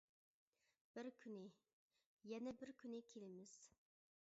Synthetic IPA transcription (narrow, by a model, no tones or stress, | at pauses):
b̥ɪɾkʲʰynɪ | jɛnɛbɪɾkʲʰynɪkʲʰelɪmɪz̥